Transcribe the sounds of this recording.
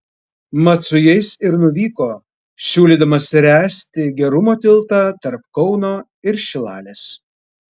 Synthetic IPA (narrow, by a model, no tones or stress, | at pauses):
mɐt̪sʊjɛɪsɪɾnʊʋʲiːkoː | sʲuːlʲiːd̪ɐmɐsɾʲæːsʲt̪ʲɪɡʲɛɾʊmoːt̪ʲɪlˠt̪ɑt̪ɐɾpkɒʊnoː | ɪɾʃʲɪlˠɑ̰ːlʲeːs